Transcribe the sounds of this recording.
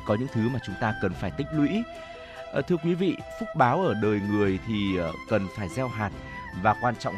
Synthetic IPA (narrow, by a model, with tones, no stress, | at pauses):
kɔ˨˦ɲɨ̰˧˥ŋt̪ʰɨ˨˦maː˨˩t͡ɕʊ˨˦ŋ͡mt̪aː˧kə˨˩nfaː˧˩jt̪ï˦˥ŋ̟̚lwḭ˧˥˨ | t̪ʰɨ˧əkwi˨˦vḭ˧˨fʊ˦˥t̚ɓaː˨˦wʔəː˧˩ɗəː˨˩jŋɨ˨˩əjt̪ʰi˨˩˨kə˨˩nfaː˧˩jzɛ˧wɦaː˨˩t̚ | vaː˨˩kwaː˧nt͡ɕɔ̰˧˨ŋ͡m